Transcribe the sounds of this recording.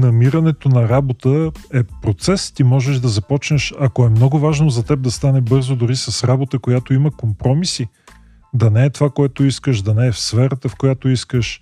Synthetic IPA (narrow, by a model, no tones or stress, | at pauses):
nɐmiɾɐnɛt̪onɐɾabot̪əɛpɾot̪sɛst̪imɔʒɛʒd̪ɐzɐpɔt͡ʃnəʃɐkoɛmnɔɡʊvaʒnozɐt̪ɛb̚d̪ɐst̪anɛbɤɾzod̪ʊɾisɐsɾabot̪əkojat̪oiməkompɾɔmisi | d̪ɐnɛːt̪ovakoɛt̪oiskəʃd̪ɐnɛːfsfɛɾət̪əfkojat̪oiskəʃ